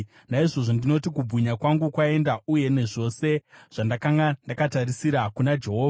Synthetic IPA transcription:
naiʐo̞ʐondino̞tikubʱuɲakwaŋɡukwae̞ndauje̞ne̞ʐo̞se̞ʐ̥andakaŋɡandakatarisiɾakunad͡ʒe̞ɦoːva

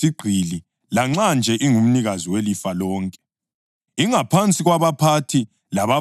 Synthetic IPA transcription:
iɡ͡ǀʱili | laŋ͡ǁand͡ʒʱɛʔiŋum̩niɣaziwelifalɔːŋkʼɛ̥ | iŋapʰant͡sʼiɣwaβapʰatʰi | laβa

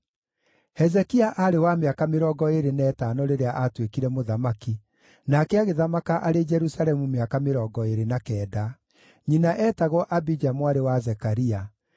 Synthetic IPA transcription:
hɛzɛkiaʔaɾewameakameɾɔɡɔeɾenɛːtanɔɾeɾeaʔatwekiɾɛmoðamaki | nakɛaɣeðamakaʔaɾed͡ʒɛɾusalɛmumeakameɾɔːɡɔeɾenakɛːda | ɲinaʔɛːtaɣwɔʔabid͡ʒamoaɾewazɛkaɾia

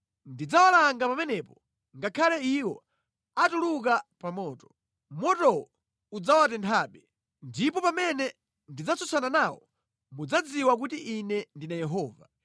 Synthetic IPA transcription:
ndid͡zawalaŋɡapamɛnɛpɔ | ŋɡakʰalɛiwɔ | atuluk̬apamɔːtɔ̥ | mɔtɔɔ | ud͡zawatɛntʰaːɓɛ | ndipɔpamɛnɛ | ndid͡zat͡sɔsananawɔ̰ | mud͡zad͡ziwak̬utiʔinɛndinajɛɦɔːva̰

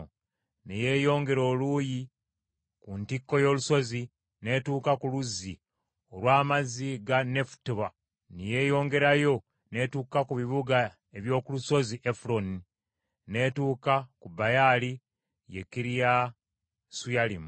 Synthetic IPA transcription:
neje̞ːjo̞ːŋɡe̞ɾo̞ːluːji | kuntikːo̞jo̞luso̞zi | ne̞tuːkakuluzːi | olwaːmaziɡane̞fu̥tβa | nije̞ːjo̞ːŋɡe̞ɾajo̞ | ne̞tuːkakuβiβuɡa | e̞βjo̞ːkuluso̞ziʔefulo̞ni | ne̞tuːkakubajali | jḛkiɾija | sujalim

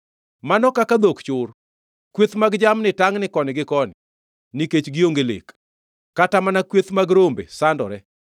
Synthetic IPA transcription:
manɔkakad̪okt͡ʃʊr | kwet̪maɡd͡ʒamnɪtaŋnɪkɔnɪɡɪkɔnɪ | niket͡ʃɡɪoŋɡelḛkː | atamanakwet̪maɡɾombḛsandɔ̰ɾɛ

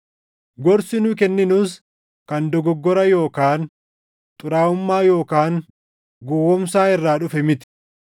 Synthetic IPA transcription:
ɡɔɾsɪnʊːk̬ɛnːɪnʊs | kɐnd̪ɔɡɔɡːɔɾɐjo̞ːkaːn | t̪ʼʊɾaːʊmːaːjo̞ːkaːŋ | ɡɔwɔmsaːɪrːaːᶑʊfɛmɪt̪ɪ̥

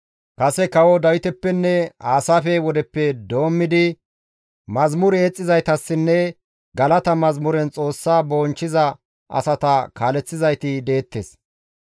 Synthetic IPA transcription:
kɐsɛkɐwɔd̪ɐwɪt̪ɛpːɛnːɛaːsaːfɛwɔd̪ɛpːɛd̪o̞ːmːɪd̪ɪ | mɐzmʊɾɛɛt͡sʼːɪzɐjt̪ɐsːɪnːɛ | ɡɐlɐt̪ɐmɐzmʊɾɛnt͡sʼo̞ːsːaːbo̞ːnt͡ʃːɪzɐ | ʔɐ̰sɐt̪ɐkaːlɛt͡sːɪzɐjt̪ɪd̪e̞ːt̪ːeːs

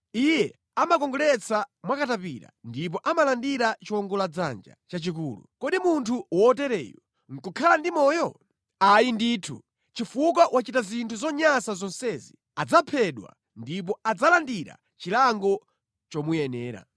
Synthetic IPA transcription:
ijɛ | amakɔŋɡɔlɛt͡sʰamwakatapiɾa̰ndip̬ɔʔamalandiɾat͡ʃiwɔŋɡɔlad͡za̰nd͡ʒa̰t͡ʃat͡ʃik̬uːlṵkɔɗimuntʰuwɔtɛɾɛ̰ːjɔ | ŋ̩kukʰalandimɔːjɔ | ajindiːtʰṵ | t͡ʃifuk̬wawʔat͡ʃitazintʰuzɔɲasazɔnsɛzi | ad͡zapʰɛɗwa̰ | ndip̬ɔad͡zalandiɾa̰ | t͡ʃilaŋɡɔ | t͡ʃɔmujɛnɛːɾa̰

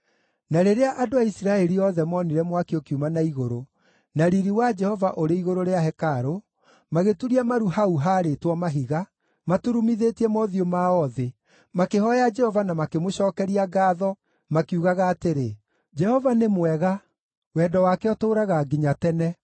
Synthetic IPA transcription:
naɾeɾeaʔadoaisiɾaɛɾiɔðɛmɔniɾɛmwakiokiumanaiɣoɾo | naɾiɾiwad͡ʒɛhɔvaʔoɾeiɣoɾoɾeaɦɛkaɾo | maɣetuɾiamaɾuɦauɦaːɾetwɔmaɦiɣa | matuɾumiðetiɛmɔðiomaɔðe | makehɔjad͡ʒɛhɔvanamakemoɕɔːkɛɾiaɡaːðɔ | makiuɣaɣaːteɾe | d͡ʒɛhɔvanemwɛɣa | wɛdɔwakeɔtoːɾaɣaɡiɲatɛnɛ

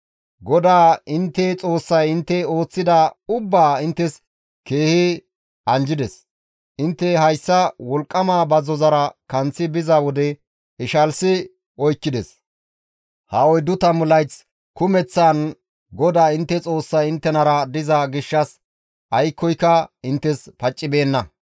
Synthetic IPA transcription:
ɡɔd̪aːɪnt̪ːɛt͡sʼo̞ːsːɐjɪnt̪ːɛo̞ːt͡sːɪd̪ɐʊbːaːɪnt̪ːɛs | ke̞ːhɪ | ɐnd͡ʒɪd̪ɛs | ʔɪnt̪ːɛɦɐjsːɐwɔlkʼːɐmaːbɐzɔzɐɾɐkɐnt͡sːɪbɪzawɔd̪ɛ | ɪʃɐlsɪ | ɔjkːɪd̪ɛs | hɐɔjd̪ʊt̪ɐmʊlɐjt͡s | kʊmɛt͡sːan | ɡɔd̪aːɪnt̪ːɛt͡sʼo̞ːsːɐjɪnt̪ːɛnɐɾɐd̪ɪzɐɡɪʃːɐs | ʔɐjkːɔjkːɐɪnt̪ːɛspɐt͡ʃʼːɪbe̞ːnːɐ

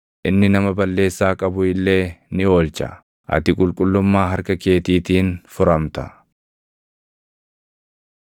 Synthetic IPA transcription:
ʔɪnːɪnɐmɐbɐlːe̞ːsːaːkʼɐbʊɪlːe̞ːnɪo̞ːlt͡ʃɐ̰ | ʔɐ̰t̪ɪkʼʊlkʼʊlːʊmːaːɦɐɾkɐke̞ːt̪iːt̪iːnfʊɾɐmt̪ɐ̥

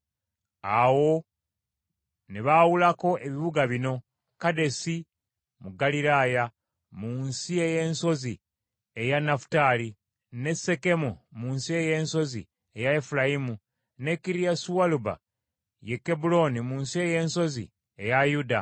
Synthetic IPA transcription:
awo̞ | neβawulako̞ʔe̞βiβuɡaβino̞ | kade̞si | muɡaliɾaːja | munsie̞je̞ːnso̞zi | e̞janafu̥tali | ne̞se̞ke̞mumunsie̞je̞nso̞zḭ | e̞jaefulajimu | ne̞kːiɾijasuwaluba̰ | je̞kːe̞bulo̞nimunsie̞je̞ːnso̞zḭ | e̞jajuda

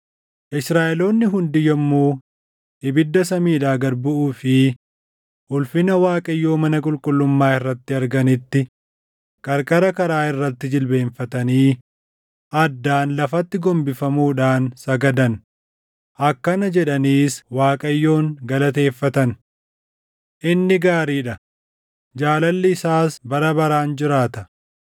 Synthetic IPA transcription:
ʔɪsɾaːʔɛlo̞ːnːɪɦʊnd̪ɪjɐmːuː | ɪbɪd̪ːɐs̬ɐmiːᶑaːɡɐɾbʊʔuːfɪ | ʔʊlfɪnɐwaːkʼɐjːo̞ːmɐnɐkʼʊlkʼʊlːʊmːaːɪrːɐt̪ːɪɐɾɡɐnɪt̪ːɪ | kʼɐɾkʼɐɾɐkɐɾaːɪrːɐt̪ːɪd͡ʒɪlbe̞ːnfɐt̪ɐniː | ʔɐd̪ːaːnlɐfɐt̪ːɪɡɔmbɪfɐmuːᶑaːnsɐɡɐd̪ɐn | ʔɐkːɐnɐd͡ʒɛᶑɐniːswaːkʼɐjːo̞ːŋɡɐlɐt̪e̞ːfːɐt̪ɐn | ʔɪnːɪɡaːɾiːᶑɐ | d͡ʒaːlɐlːɪɪsaːsbɐɾɐbɐɾaːnd͡ʒɪɾaːt̪ɐ

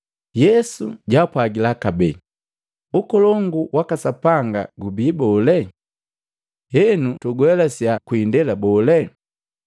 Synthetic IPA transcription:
jɛsuɟapwaɡilakabɛ̰ | ukɔlɔŋɡuwakasapaŋɡa̰ɡubiːbɔlɛ | hɛnutuɡwɛlasjakwindɛlabɔːlɛ

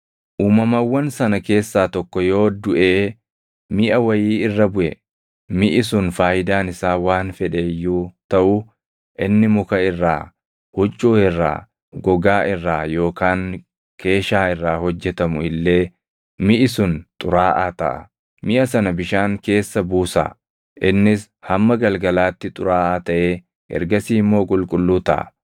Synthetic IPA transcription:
ʔuːmɐmɐwːɐnsɐnɐke̞ːsːaːt̪ɔkːɔjo̞ːd̪ʊʔeː | mɪʔɐwɐjiːɪrːɐbʊʔɛ | mɪʔɪsʊnfaːjɪd̪aːnɪsaːwaːnfɛᶑejːuːt̪ɐʔʊ | ʔɪnːɪmʊkɐɪrːa̰ː | hʊt͡ʃʼːuːɪrːa̰ː | ɡɔɡaːʔɪrːaːjo̞ːkaːŋ | kʰe̞ːʃaːɪrːaːhɔd͡ʒːɛt̪ɐmʊɪlːe̞ː | mɪʔɪsʊnt̪ʼʊɾaːʔaːt̪ɐʔɐ̰ | mɪʔɐsɐnɐbɪʃaːŋke̞ːsːɐbuːsɐ̰ | ʔɪnːɪs | hɐmːɐɡɐlɡɐlaːt̪ːɪt̪ʼʊɾaːʔaːt̪ɐʔeː | ɛ̰ɾɡɐsiːmːo̞ːkʼʊlkʼʊlːuːt̪ɐ̰ʔɐ̰

